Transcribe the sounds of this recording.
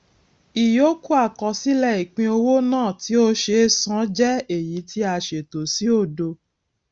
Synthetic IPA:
i˨jo˨˦ku˦a˦˨kɔ˨˧si˦lɛ˦˨i˨k͡pĩ˧o˧wo˦nãː˦˨ti˨˦o˦ʃe˧sã˨˦d͡ʒɛ˦e˨ji˨˦ti˦a˧ʃe˨to˨si˨˦o˦˨do˧

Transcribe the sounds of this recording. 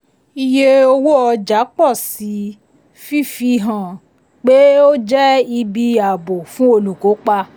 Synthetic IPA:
i˧je˦o˧wo˦ɔ˧d͡ʒa˨˦k͡pɔ˦˨si˨˦ | fi˦˨fi˧ɦã˨ | k͡pe˦o˦d͡ʒɛ˦i˧bi˧˦a˨bo˨fũ˦o˧lu˨ko˨˦k͡pa˧

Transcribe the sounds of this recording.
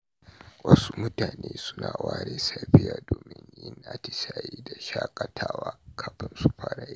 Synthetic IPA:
wʔɐ˦su˦mʊ˦taː˨neː˦sʊ˦naː˨waː˦ɽeː˨sa˦ɸɪ˦jaː˨doː˨mɪ˦ɲjɪ˦nʔa˦˨tɪ˨saː˨ji˦da˨ʃaː˦kʼɐ˨tʰaː˦waː˦kʰaː˨ɸɪ˦nsu˦ɸa˦ɽa˦j

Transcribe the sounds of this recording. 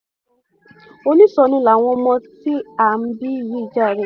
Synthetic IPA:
o˧nĩ˦sɔ˧˦nũ˦la˨w̃ɔ̃˧mɔ̃˧ti˦a˦˨m̩˦bi˦˨ji˨˦i˦˨d͡ʒa˦˨ɾɛ˨

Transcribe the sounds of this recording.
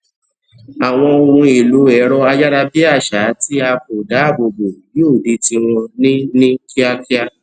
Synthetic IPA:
a˨w̃ɔ̃˧o˧ɾũ˧i˨lu˨˦ɛ˨˦ɾɔ˦a˧d͡ʒa˦ɾa˧bi˦a˦˨ʃa˨˦ti˦a˧ko˨da˨˦a˦˨bo˧bo˨ji˨˦o˦˨di˧˦tĩ˧w̃ɔ̃˧nĩ˦nĩ˦ki˦a˦ki˦a˧

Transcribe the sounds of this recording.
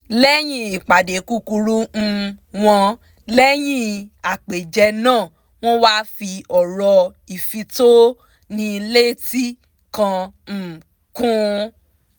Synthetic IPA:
lɛ˦j̃ĩ˦i˨k͡pa˨de˨ku˦ku˧ɾu˦n̩˧w̃ɔ̃˧ | lɛ˦j̃ĩ˦a˨k͡pe˨d͡ʒɛ˧nãː˦˨ | w̃ɔ̃˦waː˦fi˧ɔ˨ɾɔ˧ | i˨fi˧to˦ | nĩ˧le˦ti˦ | kã˧˨ | kũ˦

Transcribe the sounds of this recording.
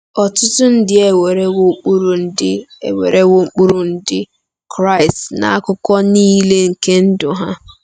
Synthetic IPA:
ɔ˨tʊ˦tʊ˦n̩˦dɪ˦e˨we˨ɾe˦wo˦k͡pu˦ɾu˨n̩˦dɪ˦ḛ˨we˨ɾe˦wo˦ŋ͡m̩˦k͡pu˦ɾʊ˨n̩˦dɪ˦ | kɾa˦ɪ˨stna̰˨a˦kʊ˦kɔ˦niː˦le˦ŋ̩˨ke˦n̩˦dʊ˨ɦa˦

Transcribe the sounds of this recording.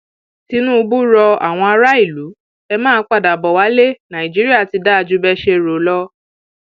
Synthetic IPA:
ti˨˦nũ˦˧bu˦ɾɔ˧a̰˨w̃ɔ̃˧a˧ɾa˦i˦˨lu˨˦ | ɛ˧mãː˦k͡pa˦˨da˨bɔ˨wa˦le˦nã˨ĩ˨d͡ʒi˨˦ɾi˦a˦˨ti˧da˦a˧˨d͡ʒu˦bɛ˦ʃe˧ɾo˨˦lɔ˦

